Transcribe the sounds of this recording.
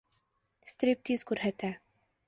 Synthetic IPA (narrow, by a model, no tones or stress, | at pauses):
st̪ɾʲip̚t̪izkʉɾɦæt̪æ